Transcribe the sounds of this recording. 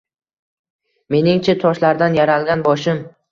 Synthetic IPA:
me̞nɪŋt͡ʃʰat̪ʰɒʃlaɾd̪anjaɾalɡʲanbɒʃɪm

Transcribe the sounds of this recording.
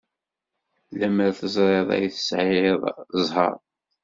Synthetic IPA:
læməɾθəzˤɾˤeðˤæ̰jθə̥sʕɪeðˤzˤɦɑ̰ɾˤ

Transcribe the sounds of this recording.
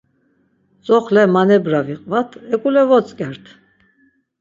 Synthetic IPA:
t͡sʼɔχlɛmanɛbɾaviqʼvat̪ʰɛkʼulɛvɔt͡sʼkʼɛɾt̪ʰ

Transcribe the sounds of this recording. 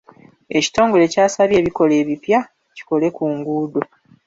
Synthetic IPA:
e̞ci̥to̞ːŋɡo̞le̞ːcaːsaβje̞ːβiko̞le̞ːβipja | ci̥ko̞le̞kuːŋɡuːdo

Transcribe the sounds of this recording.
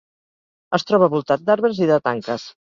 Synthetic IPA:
əst̪ɾɔβəβulˠt̪at̪̚d̪aɾβɾəziðət̪aŋkəs

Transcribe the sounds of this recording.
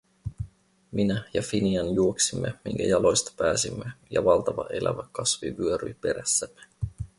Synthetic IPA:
minæjɑfiniɑnjuoksimːemiŋkæ̰jɑlo̞jst̪ɑ̥pæːsimːejɑʋɑlt̪ɑʋɑ̰ʔe̞læ̰ʋækɑsʋiʋyøɾy̰jpe̞ɾæsːæmːe

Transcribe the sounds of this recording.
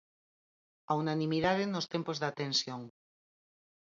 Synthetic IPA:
aunanĩmiðaðenːost̪empozðat̪ẽnsjoŋ

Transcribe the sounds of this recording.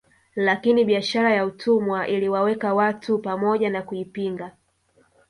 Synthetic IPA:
lakiniɓiaʃaɾajautʰumwaʔiliwawɛkawatupamɔʄanakuipiŋɡa

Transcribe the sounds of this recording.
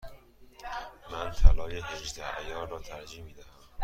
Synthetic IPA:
mænt̪ʰælɒːjeɦeʒd̪æjɒːɾrɒːt̪ʰæɾd͡ʒiːmiːd̪æhæm

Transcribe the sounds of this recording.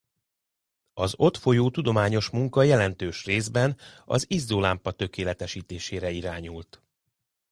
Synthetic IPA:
ɒzo̞t̪fo̞joːt̪ud̪o̞maːɲo̞ʃmuŋkɒjɛlɛn̪t̪øːʃreːzbɛnɒ̰zizd̪olaːmpɒt̪ø̞keːlɛt̪ɛʃiːt̪eːʃeːɾɛiɾaːɲult̪

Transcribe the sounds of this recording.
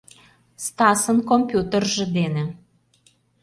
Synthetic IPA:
st̪ɑsənkompʲjut̪ərʒĕd̪enĕ

